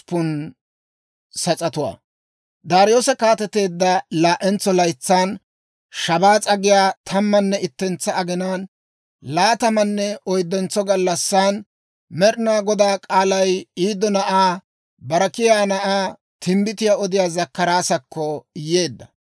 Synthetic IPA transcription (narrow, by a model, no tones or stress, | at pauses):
pːʊn | sɐt͡sʼɐt̪ʊwa̰ː | d̪aːɾɪjo̞ːsɐkaːt̪ɛt̪e̞ːd̪ːɐlaːʔɛnt͡sːɔlɐjt͡sːaːn | ʃɐbaːt͡sʼɐɡɪjaːt̪ʰɐmːɐnːɛɪt̪ːɛnt͡sːɐːɡɪnaːn | laːt̪ɐmɐnːɛɔjd̪ːɛnt͡sːɔɡɐlːɐsːan | mɛɾɪnaːɡɔd̪aːkʼaːlɐjiːd̪ːɔnɐʔaː | bɐɾɐkɪjaːnɐʔaː | t̪ʰɪmbɪt̪ɪjaɔd̪ɪjaːzɐkːɐɾaːsɐkːɔɪjːeːd̪ːɐ